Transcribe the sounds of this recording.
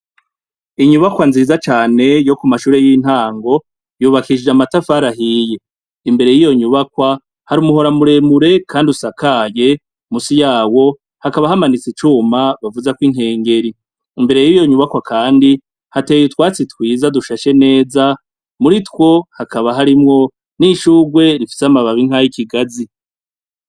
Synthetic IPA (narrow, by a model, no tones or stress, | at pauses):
iɲuβakwanzizat͡ʃaːne̞jo̞kumaʃuːɾe̞jin̥haːŋɡo̞ | juːβakiid͡ʒamatafaɾaɦije̞ | imbe̞ɾe̞jijo̞ɲuβakwa | haɾiumuɦo̞ɾamuɾe̞muɾe̞kʰaːndiusakaːje̞ | musijaːwo̞ | hakaβahamanit͡sit͡ʃumaβavuzakwiŋ̥e̞ːŋɡe̞ɾi | imbe̞ɾe̞jijo̞ɲuβakwakaːndi | hate̞ːjutwaːt͡sitwiːzaduʃaʃe̞ne̞ːza | muɾitwo̞hakaβaɦaɾimŋo̞ | niʃuːɡwe̞ɾifi̥seamaβaβiŋ̥hajikiɡazi